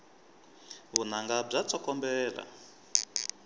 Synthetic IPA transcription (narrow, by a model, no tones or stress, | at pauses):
βunaŋɡab͡ʐat͡sʰʼɔkɔmbɛːla̰